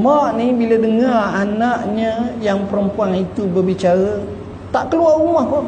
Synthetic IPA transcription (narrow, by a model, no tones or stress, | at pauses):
maʔnibilədəŋaranaʔɲəjaŋpəɾəmpuaŋit̪ubərbit͡ʃaɾə | t̪aʔkəluarumahpʊn